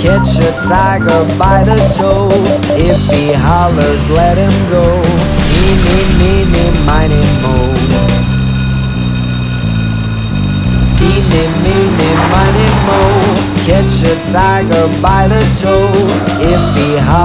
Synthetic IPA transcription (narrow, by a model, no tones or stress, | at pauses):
kʰɛt͡ʃɨtʰaɪɡə˞baɪðɨtʰoʊ | ɪfiɦɑlˠə˞zlɛt̚hɪ̃mɡoʊ | inɪminɪmaɪɾɪ̃ŋmõʊm | hinɪ̃nminɪnmaɪɾɪ̃ŋmokʰɛt͡ʃɨtʰaɪɡə˞baɪðɨtʰoʊ | ɪfiɦ